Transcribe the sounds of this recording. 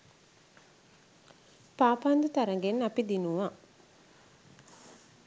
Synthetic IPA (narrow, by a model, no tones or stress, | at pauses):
paːpand̪ut̪aɾɐŋɡenːapid̪inuʋa